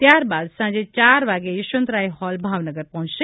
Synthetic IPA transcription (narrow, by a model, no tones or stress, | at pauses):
t̪jaːɾbaːd̪sãːd͡ʒet͡ʃaːɾʋaːɡejɪʃə̃nt̪ɾaːihɔːlbʱaːʋnəɡəɾpɐɦũt͡ʃse